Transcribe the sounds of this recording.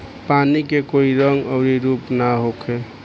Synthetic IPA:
panikekoiɾəŋɡəʊɾiɾupnaɦokʰe

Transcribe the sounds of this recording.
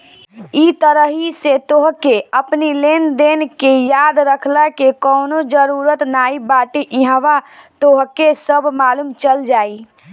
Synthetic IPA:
it̪əɾəɦiset̪oːɦkeəpnileːnd̪eːnkejaːd̪ɾəkʰlakekɔːnod͡ʒəɾuːɾət̪naːibaːʈeʔɪ̃ɦəʋat̪oɦkesəbmaːluːmt͡ʃəld͡ʒaːi

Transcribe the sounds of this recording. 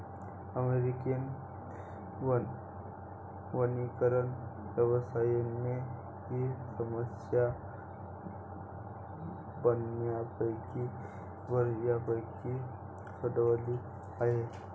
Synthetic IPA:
əmeɾikən | ʋən | ʋənikəɾəɳʋjəʋəsajenːe | ɦisəməsja | bənːjabəjki | bəɾjabəjki | səd̪ʋali | aɦe

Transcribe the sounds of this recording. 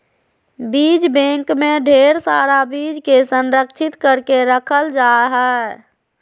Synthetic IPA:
biːd͡ʒbẽːŋkmẽɖʱeːɾsaːɾabiːd͡ʒkesə̃nɾəkʃʰɪt̪kəɾkeɾəkʰəld͡ʒaːɦɛ

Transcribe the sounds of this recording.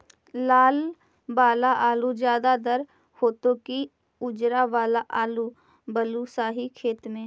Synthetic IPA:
laːl | baːlaʔaːlud͡ʒjaːd̪ad̪əɾ | hoːt̪õki | ʊd͡ʒɾaʋaːlaʔaːlu | bəlusaːɦikʰeːt̪mẽː

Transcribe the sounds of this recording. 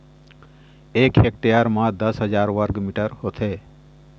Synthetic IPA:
eːkek̚ʈejaɾmãːd̪əsɦəd͡ʒaːɾʋəɾɡmiʈəɾhot̪ʰeː

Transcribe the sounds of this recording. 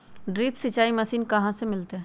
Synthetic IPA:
ɖɾiːpsɪt͡ʃaːimɐsiːnkɐɦãsemɪlt̪eɦ

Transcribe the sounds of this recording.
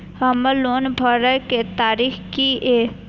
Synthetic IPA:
həməloːnbʱəɾəket̪aːɾiːxkieː

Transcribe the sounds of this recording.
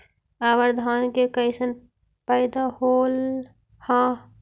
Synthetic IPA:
aʋəɾd̪ʱaːnkekəɪsən | pəɪd̪ahoːl | hã

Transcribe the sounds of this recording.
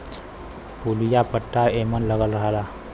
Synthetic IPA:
pulijapəʈːaemənləɡəlɾəɦla

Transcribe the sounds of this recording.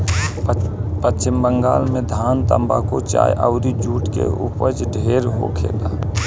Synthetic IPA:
pət͡ʃt͡ʃɪmbəŋɡaːlmẽd̪ʱaːnt̪əmbakot͡ʃa̰ːjʔəʊɾid͡ʒuːʈkḛṵpəd͡ʒɖʱeːɾɦokʰḛːɡ̪aː

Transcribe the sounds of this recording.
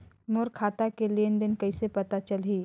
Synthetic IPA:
mʊɾkʰaːt̪akeleːnd̪ɪnkɐɪsepɐt̪at͡ʃəlɦiː

